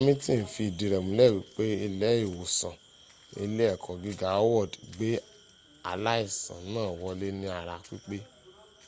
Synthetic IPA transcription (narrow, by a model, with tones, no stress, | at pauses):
mĩ˦tĩ˦˨n̩˨fi˧i˨di˧ɾɛ˨mũ˨˦lɛ˦˨u˨k͡pe˦e˧lɛ˦i˨wo˨sã˨ | ḛ˧le˦ɛ˦˨kʰɔ̃˨ɡi˦ɡa˦wɔ˦˨dɡ͡be˦ | a̰˨la˦i˦˨sã̰˨nãː˦˨wɔ˧le˦nĩ˧a˨ɾa˧k͡pi˦k͡pe˦